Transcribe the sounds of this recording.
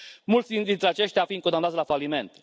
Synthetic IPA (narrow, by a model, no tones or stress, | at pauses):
mult̪sd̪id̪int̪ɾeat͡ʃe̞ʃt̪eafinkond̪anat̪slafalime̞nt̪